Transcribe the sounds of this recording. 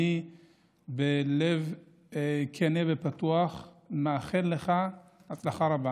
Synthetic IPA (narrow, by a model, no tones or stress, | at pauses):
i | belev | kʰenevepat̪uaχmeaχenleχahat͡slaχaɾaba